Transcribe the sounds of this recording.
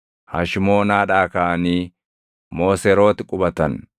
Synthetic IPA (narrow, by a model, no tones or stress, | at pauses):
hɐ̰ʃɪmo̞ːnaːᶑaːkɐʔɐniː | mo̞ːsɛɾo̞ːt̪ɪkʼʊbɐt̪ɐn